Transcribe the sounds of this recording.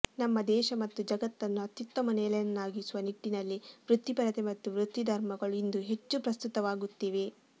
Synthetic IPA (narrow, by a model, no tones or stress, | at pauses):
nɐmːɐd̪ɛːʃɐmɐt̪ːud͡ʒɐɡɐt̪ːɐnːuɐt̪jut̪ːɐmɐnɛːlɐjɐnːaːɡisuʋɐniʈːinɐlːiʋɾut̪ːipɐɾɐt̪emɐt̪ːuʋɾut̪ːid̪ʱɐɾmɐɡɐɭuind̪uɦe̞t͡ʃːupɾɐst̪ut̪ɐʋaːɡut̪ːiːʋe̞